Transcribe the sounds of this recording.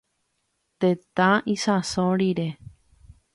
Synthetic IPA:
t̪ẽt̪ãisãsõɾiɾe

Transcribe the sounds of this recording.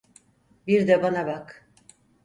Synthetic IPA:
biɾd̪ɛbanabak

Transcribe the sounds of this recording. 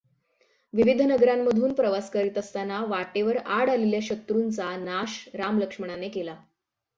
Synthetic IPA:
ʋiʋid̪ʱnəɡɾamːəd̪ʱuːnpɾəʋaskəɾit̪əst̪anaʋaʈeʋəɾaɽaleljaɕət̪ɾuːnt͡sanaɕɾamləkʂməɽ̃anekela

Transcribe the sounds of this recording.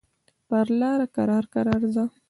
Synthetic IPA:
paɾlɑɾakaɾɑɾkaɾɑɾza

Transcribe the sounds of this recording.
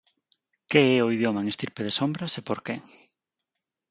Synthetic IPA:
keɛoiðjomɐaeŋest̪iɾpeðesombɾɐsepoɾkeŋ

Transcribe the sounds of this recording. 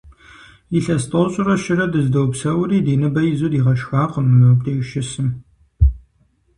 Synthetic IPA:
iɬɐstʰʼɐwɕʼʊrɐʃɪrɐdɨzdɐwpsɐwɾiːdiːnɨbɐjɪzudiːʁɐʃxaːqəmɨmɨk̚tʰeːʃɪsɨm

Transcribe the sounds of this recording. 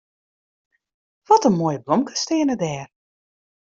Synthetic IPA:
ʋɔtənmoːjəblɔmkə̥stɪənədɛːr

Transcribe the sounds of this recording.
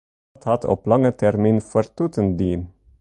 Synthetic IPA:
t̪ʰɑt̪ʰɔ̰plɑŋət̪ʰɛɾmiːnfɔɾt̪ʰuːt̪ʰənd̪iːn

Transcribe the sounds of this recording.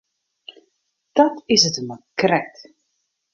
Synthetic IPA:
d̥ɑtɪsətəmakrɛt

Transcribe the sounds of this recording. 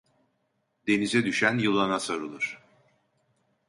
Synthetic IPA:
d̪e̞nizɛd̪yʃænjɯlˠanasoɾɯlˠɯɾ̥

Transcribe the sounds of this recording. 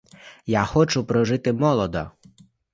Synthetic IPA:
jaxɔt͡ʃʊpɾɔʒɪt̪ɪmɔlˠɔd̪ɔ

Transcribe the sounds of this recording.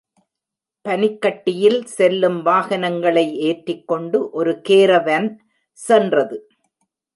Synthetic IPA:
pɐnɪkːɐʈːɪjɪlsɛlːɯmʋaːɣɐnɐŋɡɐɭɐɪʔeːʈrɪkːɔɳɖɯʔɔɾɯkeːɾɐʋɐn | sɛndrɐðɯ

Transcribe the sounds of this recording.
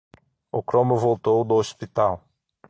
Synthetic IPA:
ʊkɾõmʊvowt̪owd̪ʊospit̪aw

